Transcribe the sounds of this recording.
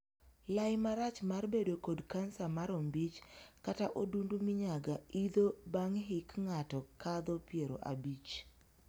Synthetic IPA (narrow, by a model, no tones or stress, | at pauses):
lajmaɾat͡ʃmarbedokodkansamaɾombit͡ʃkataʔodundumiɲaɡaid̪obaŋɦɪkŋatɔkad̪ɔpjeɾo̰ʔa̰bit͡ʃ